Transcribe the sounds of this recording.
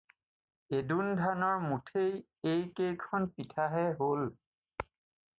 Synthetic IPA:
edundʱanɔɹmutʰej | ejkejkʰɔnpitʰaɦɛɦol

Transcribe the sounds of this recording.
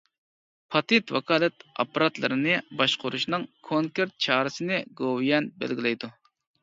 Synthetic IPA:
pʰɑt̪ɪt̪wɑ̰kʰɑːlˠɛt̪ɑ̰pːɑɾɑt̪lˠɨ̰ɾɨnɨbɑʃqʰʊɾuʃnɨŋkʰoŋkeɾt̪̚t͡ʃʰɑːɾɨsɨnɨɡowjɛnbɛ̰lɡʲilɛjd̪u

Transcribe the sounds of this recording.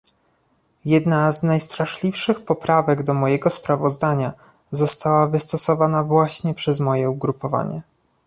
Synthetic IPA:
jɛd̪naznajst̪ɾaʂlʲifʂɘxpɔpɾavɛɡd̪ɔmɔjɛɡɔspɾavɔzd̪aɲa | zɔst̪awavɘst̪ɔsɔvanavwaɕɲɛpʂɛzmɔjɛuɡɾupɔva̰ɲɛ̰

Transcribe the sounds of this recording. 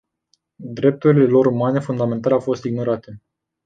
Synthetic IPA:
d̪ɾe̞p̚t̪uɾile̞lo̞ɾumane̞fund̪ame̞nt̪aleawfo̞st̪iɡ̚no̞ɾat̪e̞

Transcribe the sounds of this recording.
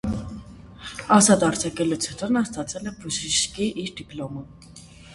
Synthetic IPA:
ɑzɑt̪ɑɾt͡sʰɑkɛlut͡sʰut̪ʰɔnɑst̪ɑt͡sɛlɛbuʃiʃkiʔiɾd̪iplɔmə

